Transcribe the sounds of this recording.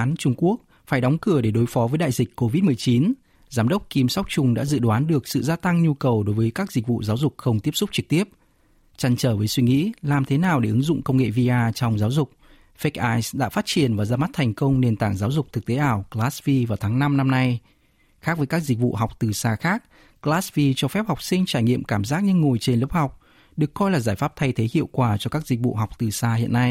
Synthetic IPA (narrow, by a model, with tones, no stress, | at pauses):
aː˨˦nt͡ɕʊ˧ŋ͡mku˦˥ək̚ | faː˧˩jɗɔ˨˦wŋ͡mkɨ˧˩əɗe˧˩ɗo˨˦jfɔ˨˦vəː˨˦jɗa̰ː˧˨jzï˨˩k̟ʲkːo˧vi˦˥t̚mɨ˨˩əjt͡ɕi˨˦n | zaː˨˦mɗə˦˥wk͡p̚ki˧msa˦˥wk͡p̚t͡ɕʊ˧ŋ͡mɗa̰ː˧˥zɨ̰˧˨ɗwaː˨˦nɗɨ˨˩ək̚sɨ̰˧˨zaː˧t̪a˧ŋɲu˧kə˨˩wɗo˨˦jvəː˨˦jkaː˦˥k̚zi˨˩k̟̚vṵ˧˨zaː˨˦wzʊ˨˩k͡p̚xə˧wŋ͡mt̪i˦˥əp̚sʊ˦˥k͡p̚t͡ɕɨ˨˩k̚t̪i˦˥əp̚ | t͡ɕa˧˩nt͡ɕəː˧˩vəː˨˦jswi˧ŋḭ˧˥laː˨˩mt̪ʰe˨˦naː˨˩wɗe˧˩ʔɨ˨˦ŋzʊ̰˧˨ŋ͡mkə˧wŋ͡mŋḛ˧˨vi˧ʔaː˧t͡ɕɔ˧wŋ͡mzaː˨˦wzʊ˨˩k͡p̚ | fɛ˦˥k̚ʔaː˧jsɗa̰ː˧˥faː˦˥t̚t͡ɕi˨˩ənvaː˨˩zaː˧ma˦˥t̚t̪ʰɛ˨˩jŋ̟kə˧wŋ͡mne˨˩nt̪a̰ː˧˩ŋzaː˨˦wzʊ˨˩k͡p̚t̪ʰɨ˨˩k̚t̪e˨˦ʔaː˧˩wklaː˦˥svi˧vaː˨˩wt̪ʰaː˨˦ŋna˧mna˧mna˧j | xaː˦˥k̚vəː˨˦jkaː˦˥k̚zi˨˩k̟̚vṵ˧˨ɦa˨˩wk͡p̚t̪ɨ˨˩saː˧xaː˦˥k̚ | klaː˦˥svi˧t͡ɕɔ˧fɛ˦˥p̚hɔ˨˩wk͡p̚sï˧ŋ̟t͡ɕaː˧˩jŋḭ˧˨əmkaː˧˩mzaː˦˥k̚ɲɨ˧ŋːo˨˩jt͡ɕe˧nlə˦˥p̚ha˨˩wk͡p̚ | ɗɨ˨˩əkːɔ˧jlaː˨˩zaː˧˩jfaː˦˥p̚t̪ʰa˧jt̪ʰe˨˦hḭ˧˨əwkwaː˧˩t͡ɕɔ˧kaː˦˥k̚zï˨˩k̟̚vṵ˧˨ɦɔ˨˩wk͡p̚t̪ɨ˨˩saː˧hḭ˧˨ənːa˧j